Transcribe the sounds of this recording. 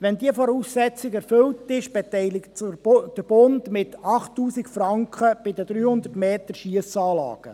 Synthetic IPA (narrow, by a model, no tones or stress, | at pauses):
ʋɛnd̪iəfɔɾuːsːɛt͡sɪɡɛɾfɵltɪʃb̥ɛt̪ɛjlɪktd̥əɾb̥ʊndmɪt̪ɑχtːuːsikfɾɑŋkχəb̥ɪd̪əd̥̪ɾyːhʊnd̪ərtmeːtəɾʃiəsɑːlɑ̰ːɡ̥ə̰